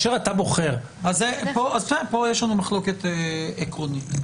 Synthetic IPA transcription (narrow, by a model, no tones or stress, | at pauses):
ʃeʁat̪abo̞χeʁ | azepoʔazt̪epojeʃlanumaχlo̞ket̪ekʁonit̪